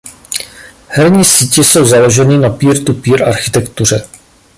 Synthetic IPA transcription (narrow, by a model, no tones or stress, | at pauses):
hɛɾɲiːsiːcɪso̞wzalo̞ʒɛninapiːɾt̪upiːɾʔa̰ɾxɪt̪ɛkt̪ur̝ɛ